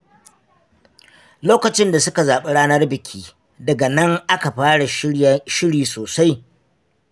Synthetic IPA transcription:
loː˦kɐ˨t͡ʃɪ˦nda˨sʊ˦ka˨zaː˨ɓe˦ɽaː˦nɐ˦rbɪ˨kʲʰiː˦ | dɐ˨ɡa˨nɐ˦ŋʔa˦ka˨ɸaː˦ɽa˨ʃɪ˦ɽiː˨soː˨sa˦j

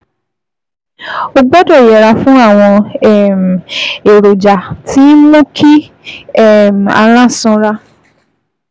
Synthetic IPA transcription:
o˧ɡ͡bɛ˦dɔ˦˨jɛ˨ɾa˧fũ˦a˦˨w̃ɔ̃˧ɛ˦˨m˨e˨ɾo˨d͡ʒa˨tʰi˨˦mõ˦kʰi˦ | ɛ˦˨m̩˨a̰˧ɾ̃ã˦˨sɔ̃˧˦ɾa˦

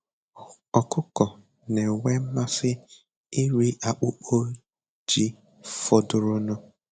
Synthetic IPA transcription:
ɔ˨kʊ˦kɔ˨ | ne˨we˦ma˦sɪ˦ | ɪ˦ɾi˦ʔa˨k͡pʊ˦k͡po˦ | d͡ʒi˦ | fɔ˦dʊ˨ɾʊ˦nɔ˦

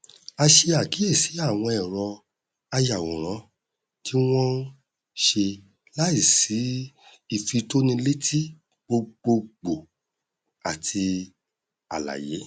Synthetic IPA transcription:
a˧ʃe˧a˨ki˨˦e˦˨si˨˦a˦˨w̃ɔ̃˧ɛ˨ɾɔ˧ | a˧ja˨wõ˨ɾ̃ã˨˦ | ti˦w̃ɔ̃˦ | ʃe˧ | la˦i˦˨si˨˦ | i˧˨fi˧to˦nĩ˧le˦tʰi˦ | ɡ͡bo˧ɡ͡bo˧ɡ͡bo˨ | a˨tʰi˧ | a̰˨la̰˨je˨˦

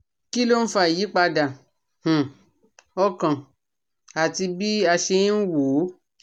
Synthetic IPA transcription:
ki˦lo˦n̩˦fa˧˨ji˨˦k͡pa˧da˨ | h̩˨ | ɔ˦kã˨ | a˨ti˧bi˦a˧ʃe˧ĩ˦n̩˦woː˨˦

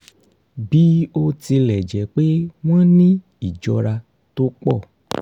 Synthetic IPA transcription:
bi˦o˦ti˧lɛ˨d͡ʒɛ˨k͡pe˦w̃ã˦nĩ˦ | i˨d͡ʒɔ˧ɾa˧ | to˦k͡pɔ˦˨

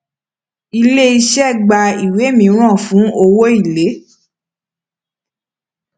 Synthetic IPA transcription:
i˧le˦i˦˧ʃɛ˦˨ɡ͡ba˧i˨we˨˦mĩ˨˦ɾ̃ã˦˨fũ˨˦o˧wo˦i˦˨le˨˦

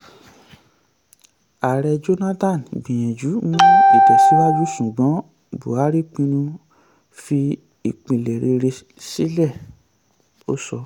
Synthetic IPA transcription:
a˨ɾɛ˧d͡ʒo˦nã˦tã˦˨nɡ͡bĩ˨j̃ɛ̃˨d͡ʒu˨˦ũ˦i˦˨tɛ˨si˨˦wa˦d͡ʒu˦ʃu˨ɡ͡bɔ̃˨˦ | bṵ˨a˨˦ɾi˦k͡pĩ˧nũ˧ | fi˧ | i˨k͡pĩ˨le˨ɾe˧ɾe˧ | si˦lɛ˦˨ | o̰˦sɔ˧

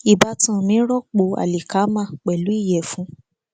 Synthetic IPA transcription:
i˨ba˧tã˦˨mĩ˨˦ɾɔ˦˨k͡po˧˨a̰˨li˨ka˨˦mã˦˨k͡pɛ˨lu˨˦i˦˨jɛ˨fũ˨˦

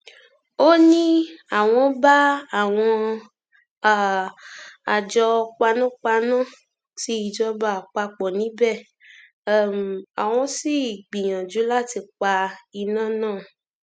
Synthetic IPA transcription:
o˦nĩ˦a˨w̃ɔ̃˧ba˦a˦˨w̃ɔ̃˧˨ | a˨d͡ʒɔ˧k͡pa˧nũ˦k͡pa˧nã˦˨ | ti˧˦i˨d͡ʒɔ˧ba˨k͡pa˧k͡pɔ˨nĩ˨˦bɛ˦˨˦ | m˨a˨w̃ɔ̃˧si˦˨ɡ͡bĩ˨j̃ã˨d͡ʒu˨˦la˦ti˧k͡pa˧i˧nãː˦˨nãː˦˨

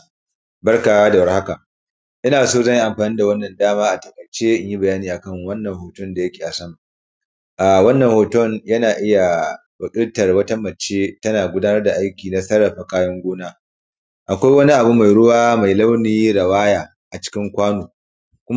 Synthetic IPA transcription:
bɐ˦rka˨wa˦da˨wɐ˦rha˦ka˨ | ʔɪ˦naː˨soː˦zɐ˦˨ɲji˦ʔa˨mɸaː˨niː˦da˨wɐ˦nːɐ˨ndaː˦maː˦ʔa˨tɐ˨kʼɐ˨t͡ʃeː˦ʔɪ˦ɲji˦bɐ˨jaː˦niː˨ʔa˨kɐ˦ŋwɐ˦nːɐ˨ŋhoː˨tʊ˦nda˨jɐ˦kʲe̥ː˨ʔa˨sɐ˦ma˨ | ʔaː˨wɐ˦nːɐ˨hoː˨tɔ˦njɐ˦naː˨ʔɪ˦ja˨ | bɐ˨kʼɪ˦ɽtɐ˨rwɐ˦ta˦mɐ˨t͡ʃːeː˦tɐ˦naː˨ɡʷʊ˦daː˦nɐ˦rda˨ʔa˦jkʲiː˨na˦sɐ˦ɽɐ˨ɸa˨kaː˦jɔ˦ŋɡʷoː˦naː˦ | ʔa˨kʷa˦jwɐ˦ni˦ʔa˨bu˦ma˨jɽʊ˦waː˦ma˨jlɐ˦wniː˦ɽɐ˨waː˦jaː˨ | ʔa˨t͡ʃɪ̥˦kʲɪ˦ŋkʷaː˦nuː˨ | kʷʊ˦m˦

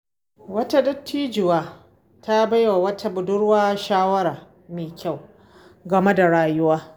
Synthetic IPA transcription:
wɐ˦ta˦dʊ˦tːiː˦d͡ʒɪ˨waː˦ | ta˦ba˦jwa˨wɐ˦tʰa˦bʊ˨dʊ˦ɽwaː˦ʃaː˦wɐ˦ɾaː˨ | meː˨kʲa˦˨w | ɡɐ˨me˦da˨ɽaː˨jʊ˦waː˦

